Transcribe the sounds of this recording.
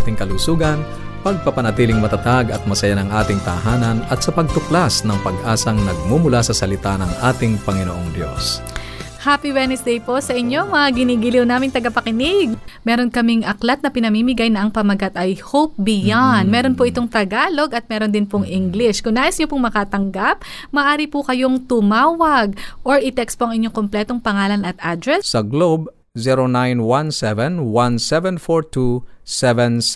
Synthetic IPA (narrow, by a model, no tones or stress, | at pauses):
at̪ɪŋkɐlusuːɡɐn | pɐɡ̚pɐpɐnɐt̪iːlɪŋmɐt̪ɐt̪aɡɐt̪̚mɐsɐjanɐŋʔaːt̪ɪŋt̪ɐ̰ɦaːnɐnɐt̪sɐpɐɡ̚t̪ʊklasnɐŋpɐɡ̚ʔaːsɐŋnɐɡ̚mumʊlasɐsɐlɪt̪anɐŋʔaːt̪ɪŋpɐŋɪnoʔoŋd̪jos | haːpiwɛnɛsd̪ɛjpo̞sɐʔɪɲːo̞mɐaɡɪniːɡɪliwnaːmɪŋt̪ɐɡɐpɐkɪnɪɡ̚mɛːɾo̞nkɐmɪŋʔɐklɐt̪̚nɐpɪnɐmiːmɪɡajnɐʔɐŋpɐmɐɡat̪ɐjhowp̚bɪjanmɛːɾo̞npoʔɪt̪o̞ŋt̪ɐɡaːlo̞ɡɐt̪̚mɛːɾo̞nd̪ɪnpoŋʔiŋɡlɪʃkʊŋnaːʔɪsɲopʊŋmɐkaːt̪ɐŋɡap̚ | mɐʔaːɾipʊkɐjo̞ŋt̪ʊmaːwɐɡ̚ʔo̞ɹɪt̪ɛkspo̞ʔɐŋɪɲːoŋkomplɛːt̪o̞ŋpɐŋaːlɐnɐt̪̚ʔad̪ɾɛssɐɡlob̚ | ziɾonajnwansɛvɛnwansɛvɛnfoɹt̪ʰusɛvɛ̃ns